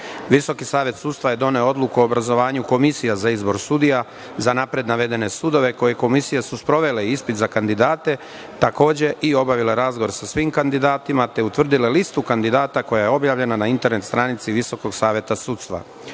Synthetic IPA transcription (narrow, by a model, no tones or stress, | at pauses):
ʋiso̞kisaːʋje̞t̪suːt̪st̪ʋaje̞d̪o̞ne̞oo̞d̪lukuoobɾazo̞ʋaːɲuko̞misijazaizbo̞ɾsud̪ija | zanapɾe̞d̪naʋe̞d̪e̞ne̞sud̪o̞ʋe̞ko̞je̞ko̞misijesuspɾo̞ʋe̞le̞iispit̪zakand̪id̪aːt̪e̞ | t̪ako̞ːd͡ʑe̞ʔio̞baʋile̞ɾazɡoɾsasʋiːmkand̪id̪aːt̪imat̪e̞ut̪ʋr̩d̪ilelist̪ukand̪id̪aːt̪ako̞jaje̞o̞bjaːʋʎe̞nanaint̪e̞ɾne̞t̪st̪ɾaːnit̪siʋiso̞ko̞ɡsaːʋje̞t̪asuːt̪st̪ʋa̰